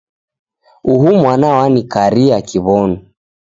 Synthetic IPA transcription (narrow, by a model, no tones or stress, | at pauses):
uɦumwanawanikaɾiakiβɔnu